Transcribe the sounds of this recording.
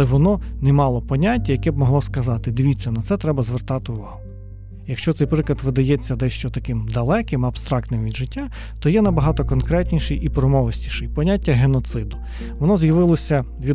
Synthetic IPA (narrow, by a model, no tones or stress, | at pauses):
lˠɛʋɔnɔnɛmɑlˠɔpɔnʲatʲːɐjɐkɛb̚mɔɦlˠɔskɐzɑt̪ɪd̪ɪʋʲit͡sʲːɐnɐt̪sɛt̪ɾɛbɐzʋert̪ɑt̪ɪʊʋɑɦʊ | jɐkʃt͡ʃɔt̪sɛjpɾɪklˠɐt̪ʋɪd̪ɐjɛt͡sʲːɐd̪ɛʃt͡ʃɔt̪ɐkɪmd̪ɐlˠɛkɪmɐbst̪ɾɑkt̪nɪmʋʲid̪ʒɪtʲːa | t̪ɔjɛnɐbɐɦɑt̪ɔkɔnkɾɛtʲnʲiʃɪjʔipɾɔmɔʋɐsʲnʲiʃɪjpɔnʲatʲːɐɦenɔt̪sɪd̪ʊ | ʋɔnɔzjɐʋɪlˠɔsʲɐ | ʋʲi